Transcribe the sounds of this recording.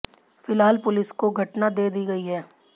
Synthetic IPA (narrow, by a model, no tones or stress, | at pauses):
fɪlɦaːlpʊlɪskoɡʱɐʈnad̪eːd̪iːɡɐiɦɛː